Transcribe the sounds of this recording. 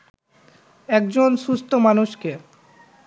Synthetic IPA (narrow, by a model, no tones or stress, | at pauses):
ɛk̚d͡ʑonʃust̪ʰomanuʃke